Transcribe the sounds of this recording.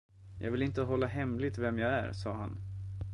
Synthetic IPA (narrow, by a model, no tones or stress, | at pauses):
jʔɑ̰ːɡvɪlɪnt̪əɦɔlːaɦɛmlɪt̪vɛmjaæ̰ɾsɑ̰ːɦa̰n